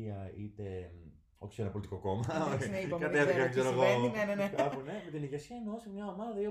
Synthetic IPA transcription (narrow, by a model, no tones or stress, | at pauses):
iɐit̪e̞ | oçe̥senɐpo̞lit̪iko̞ko̞mɐoekɐt̪efθiɐeɡseɾoɣoeneneneɐpunemet̪iniʝesiɐineosimɲɐomɐðɐio